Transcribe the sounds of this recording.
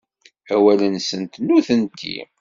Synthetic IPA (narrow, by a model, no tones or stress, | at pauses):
æwælənsənt̪nuθənt̪ʰḭm